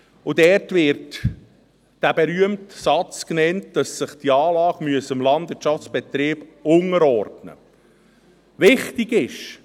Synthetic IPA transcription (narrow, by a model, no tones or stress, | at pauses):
ʊdɛrtʋɪɾt | d̥æbɛɾyəmtsɑt͡sknɛntd̥ɑsːəχd̥iɑːlɑːɡmyəsəɪmlɑndʋɪt͡ʃɑft͡sb̥ɛt̪ɾiːb̥ʊŋəɾɔrdnə̰ | ʋɪχtɪɡɪʃ